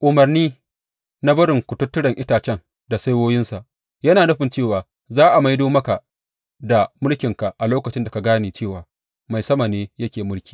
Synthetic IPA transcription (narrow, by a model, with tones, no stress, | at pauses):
ʔʊ˨mɐ˨rniː˦ | na˦bɐ˦ɾɪ˨ŋkʷʊ˨tʊ˦tːʊ˦ɽɐ˨ŋʔɪ˦taː˨t͡ʃɛ˦ŋ | da˨sa˦jwoː˦jɪ˦nsa˨ʔ | jɐ˦naː˨nɐ˦ɸɪ˨nt͡ʃeː˦˨waː˨ | zaː˦ʔa˨ma˦jdoː˦mɐ˦ka˨ʔ | da˨mʊ˦lkʲɪ˨ŋka˨ʔa˨loː˦kɐ˨t͡ʃɪ˦nda˨ka˨ɡaː˦neː˨t͡ʃeː˦˨waː˨ | ma˨jsɐ˦ma˨neː˦jɐ˦kʲeː˨mʊ˦lkʲiː˨